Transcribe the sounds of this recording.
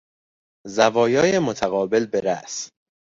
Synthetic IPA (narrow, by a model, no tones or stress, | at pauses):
zævɒːjɒːjemot̪ʰæɣɒːbe̞lbeɾæ̰s